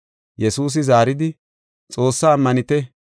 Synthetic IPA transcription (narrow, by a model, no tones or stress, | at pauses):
jɛsuːs̬ɪzaːɾɪd̪ɪ | t͡sʼo̞ːsːaːmːɐnɪt̪ɛ